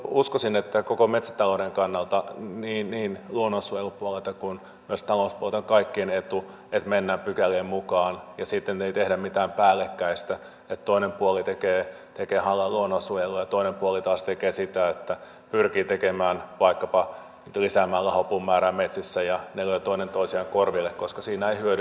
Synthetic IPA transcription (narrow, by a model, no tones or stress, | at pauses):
uskosinet̪ːækokomet̪sæ̥t̪ɑlodeŋkɑnːɑlt̪ɑniːnniːnluonːosujelupuolelt̪ɑkun | myøst̪ɑloˑspuolet̪oŋkɑikːienet̪u | et̪menːæmpykælːeːmmukɑːnjɑsit̪ːent̪eit̪ehdæmmit̪æːmpæːlːekːæist̪æ | et̪t̪oinempuolit̪ekeː | t̪ekeːhɑlːɑluonosujelojɑt̪oinempuolit̪ɑːst̪ekeːsit̪æet̪ːæ | pyrkiːt̪ekemæːnʋɑikːɑpɑ | nyt̪lisæmæːlːæhopumːæːɾæːmmet̪sisːæjɑneløit̪oinent̪oisiɑŋkorʋilːekkoskɑsiːnæeihyøɾy